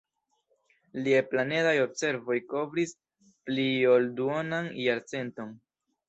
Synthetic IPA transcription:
lieplane̞dajo̞bse̞ɾvo̞jko̞vɾis | pliolduonanjaɾt͡se̞nto̞n

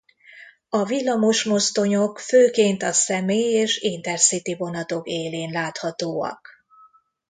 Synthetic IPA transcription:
ɒvilːɒmoʃmo̞st̪o̞ɲokføːkeːnt̪ɒsɛmeːjeːʃint̪ɛrsit̪ivo̞nɒt̪o̞keːleːnlaːt̪hɒt̪oːɒ̰k

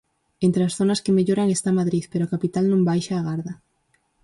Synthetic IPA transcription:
ent̪ɾeasθonɐskemeʎoɾaŋest̪amaðɾiθpeɾoakapit̪alnõmbajʃaːɣ̞aɾðɐ

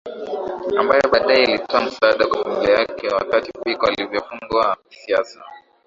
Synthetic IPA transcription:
ambajɔɓaːɗaɛilitɔam̩saaɗakwafamilajakʰɛwa̰katipikɔalivjɔfuŋɡuaki̥siasa

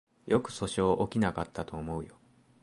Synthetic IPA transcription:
jo̞kɯ̟̥so̞ɕoːʔokʲinakat̪ːat̪o̞ːmo̞ɯ̟jo̞

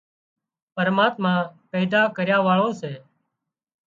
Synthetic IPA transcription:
pəɾmaːt̪mãːpɛːd̪aːkəɾjaːʋaːɭõːseː

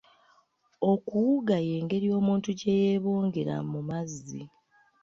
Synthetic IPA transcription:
o̞kuwuɡaje̞ːŋɡe̞ɾio̞ːmuːntuɟe̞jeβo̞ːŋɡe̞ɾa̰mumazːḭ

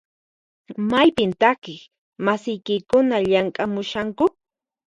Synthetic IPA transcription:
majpɪnt̪akɪχ | masɪjkɪkʊnaʎaŋkʼamʊʃaŋkʊ

